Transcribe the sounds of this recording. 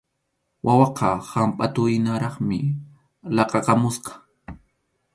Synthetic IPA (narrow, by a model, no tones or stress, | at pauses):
wʔawɑqɑhampʼat̪ʊjnaɾɑχmɪ | lɑqɑqɑmʊsqɑ̥